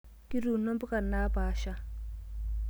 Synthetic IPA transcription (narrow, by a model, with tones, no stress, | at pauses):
ki˦ɾu˨no˦mbu˦ka˨nːaː˦paː˨ʃa˦